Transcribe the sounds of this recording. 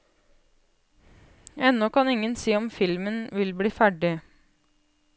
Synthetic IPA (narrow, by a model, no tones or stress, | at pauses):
ɛnːɔkɑnɪŋənsiːɔmfɪlmənʋɪlbliːfæɖɪ